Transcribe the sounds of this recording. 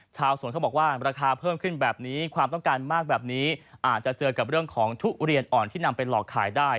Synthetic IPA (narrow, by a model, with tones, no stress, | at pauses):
t͡ɕʰaː˧wsu˨˦kʰa˥˩bɔː˨˩kwaː˥˩ɾaː˧kʰaː˧pʰɤː˥˩mkʰɯ˥˩nbɛː˨˩p̚niː˦˥kʰwaː˧mt̪ɔ˥˩ŋkaː˧nmaː˥˩k̚bɛː˨˩p̚niː˦˥ʔaː˨˩t̪̚t͡ɕa˨˩t͡ɕɤː˧ka˨˩p̚ɾɯ˥˩əŋkʰɔː˩˦ŋt̪ʰu˦˥k̚ɾi˧ənʔɔː˨˩nt̪ʰiː˥˩na˧mpa˧jlɔː˨˩kʰːa̰ː˩˦jdaː˥˩j